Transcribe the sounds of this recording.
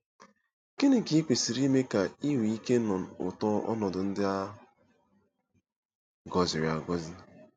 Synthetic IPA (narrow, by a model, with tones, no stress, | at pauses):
ke˦nɪ˨ki˨˦i˦kʷe˨si˨ɾi˦me˦ka˨i˦wi˨i˦ke˦nɔ˨ʊ̰˨tɔ˦ɔ̰˦nɔ˨dʊ˨n̩˦dɪ˦a˦ | ɡɔ˨zɪ˨ɾɪ˨a˨ɡɔ˦zɪ˦